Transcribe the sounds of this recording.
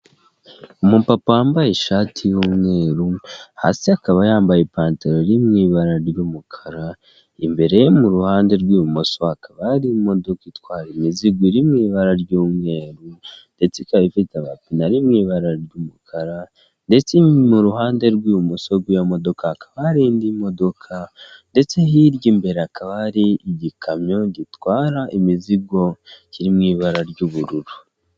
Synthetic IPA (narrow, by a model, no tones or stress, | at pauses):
umupapawaːmbajeʃaːtʰijumŋe̞ːɾuha̰siakaβajaːmbajepaːnteɾoɾimŋiβaɾaɾjumukʰḁɾa | imbe̞ɾe̞jemuɾuhaːnde̞ɾɡwiːumosoakʰaβaɾimo̞do̞kitwaːɾimiziɡwiɾimŋiːβaɾaɾɟuːmŋe̞ːɾunde̞t͡sekaβifitaβa̰pinaɾimŋiːβaɾaɾɟuːmukʰaɾa | nde̞t͡semuɾuɦaːnde̞ɾɡwiːβumusoɾɡwijamo̞do̞kʰakʰḁβaɾindimo̞do̞kʰande̞t͡se̞ɦiɾɟiːmbe̞ɾeakʰaβaɾiiɟikʰamɲo̞ɟitwaːɾaʔimiziɡo̞ciɾimŋiːβaɾaɾɟuːβuɾuɾu